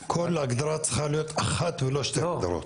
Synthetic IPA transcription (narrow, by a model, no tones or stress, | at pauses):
kʰolaɡd̪aɾat͡səχalijot̪aχat̪veloʃt̪eɡd̪aɾo̰t̪